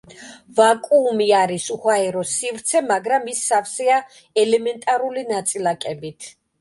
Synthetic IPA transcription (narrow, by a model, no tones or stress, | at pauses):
vakʼuːmiaɾisuhwaɛɾɔsivɾt̪sʰɛmaɡɾamisːafsɛa | ɛlɛmɛnt̪ʼaɾulinat̪sʼilakʼɛbit̪ʰ